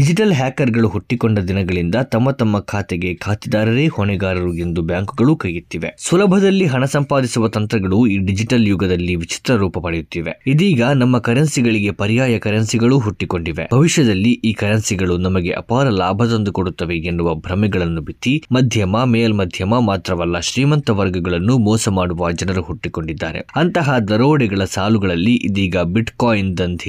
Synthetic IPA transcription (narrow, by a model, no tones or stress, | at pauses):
ɖid͡ʒiʈɐlɦaːkɐɾɡɐɭuɦuʈːikoɳɖɐd̪inɐɡɐɭind̪ɐt̪ɐmːɐt̪ɐmːɐkʰaːt̪ɛɡekʰaːt̪id̪aːɾɐɾeːhoɳɛɡaːɾɐɾuɡind̪ubjaːŋkuɡɐɭukɐjut̪ːiʋe̞̰sʋɐlɐbʱɐd̪ɐlːiɦɐɳɐsɐmpaːd̪isuʋɐt̪ɐnt̪ɾɐɡɐɭuiːɖid͡ʒiʈɐljuɡɐd̪ɐlːiʋit͡ʃi̥t̪ɾɐɾuːpɐpɐɽejut̪ːiːʋeid̪iːɡɐnɐmːɐkɐɾɐnsiɡɐɭiɡe̞pɐɾijaːjɐkɐɾɐnsiɡɐɭuɦuʈːiko̞ɳɖiʋe̞̰bʱɐʋiʃjɐd̪ɐlːiʔiːkɐɾɐnsiɡɐɭunɐmɐɡe̞ʔɐ̰paːɾɐlaːbʱɐd̪ɐnd̪ukoɽut̪ːɐʋeɡenːuʋɐbʱɾɐmiɡɐɭɐnːubit̪ːimɐd̪ʱjɐmɐmeːlmɐd̪ʱjɐmɐmaːt̪ɾɐʋɐlːɐʃɾiːmɐnt̪ɐʋɐɾɡɐɡɐɭɐnːumɔːsɐmaːɽuʋad͡ʒɐnɐɾuɦuʈːiko̞ɳɖid̪ːa̰ːɾḛɐnt̪ɐɦɐd̪ɐɾoːɽɛɡɐɭɐsaːluɡɐɭɐlːiʔid̪iːɡɐbiʈkaːjind̪ɐnt̪ʰi